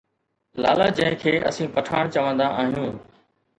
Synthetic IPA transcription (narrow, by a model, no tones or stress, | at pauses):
laːlaːd͡ʒɐ̃ɦɪ̃kʰeːʔɐ̰sĩːpɐʈʰaːɽ̃t͡ɕəʋə̃nd̪aʔaːɦijũː